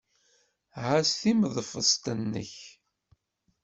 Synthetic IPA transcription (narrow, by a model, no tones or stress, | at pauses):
ʕasθiməðˤfəst̪ənːə̰ç